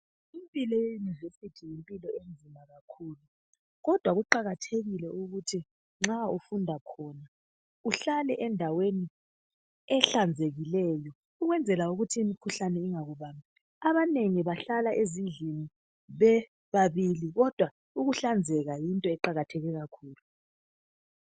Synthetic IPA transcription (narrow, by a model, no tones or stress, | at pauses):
impʼilɔjejunivesitʰijimpʼilɔend͡zʱimaɣakʰuːlu | ɣɔd̥ʱwaɣuǃaɣatʰeɣilɛʔuɣutʰi | ŋ͡ǁaufundʱakʰɔːna | uɬalɛʔɛndʱaweni | ɛɬand͡zʱeɣilɛːjɔ | uɣwɛnd͡zʱɛlauɣutʰiːmikʰuɬanɛiŋaɣuβaːmbʱi | aβaneŋiβaɬalaʔezind͡ɮʱini | βɛ | βaβiliɣɔd̥ʱwa | uɣuɬand͡zʱɛɣajintʼɔɛǃaɣatʰɛɣɛɣakʰuːlu